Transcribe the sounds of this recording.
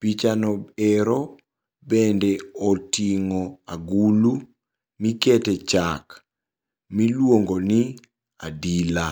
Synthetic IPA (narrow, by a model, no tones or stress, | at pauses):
pit͡ʃanɔeɾo | bendeɔtiŋoaɡulu | miketet͡ʃak | milwoŋɡoni | adila